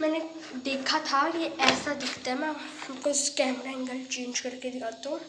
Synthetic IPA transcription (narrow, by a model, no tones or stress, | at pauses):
mɛːne | d̪eːkʰat̪ʰajeʔɛːsad̪ɪkʰt̪aɦɛmɛ̃ | hɐmkoskɛːmɾaɪ̃ŋɡəlt͡ʃẽːnd͡ʒkɐɾked̪ɪkʰaːt̪õː